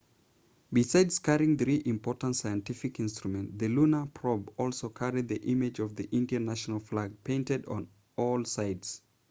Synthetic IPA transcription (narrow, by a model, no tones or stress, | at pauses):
bɪsaɪdz̥kʰaɹɪ̃ŋðɹiʔɪ̃mpʰɔɹtə̃ntsaɪɨ̃ntɪfɨkɪ̃nstɹ̥umɨ̃nðɨlunəpʰɹ̥ɔbɔlˠsoʊkʰaɹid̪̚ðiʔɪmɪd͡ʒʌvðiʔɪ̃ntə˞næʃnəl̩ˠflaɡ̚pʰẽɪ̃ntɨd̃n̩ | ɔlˠsaɪdz̥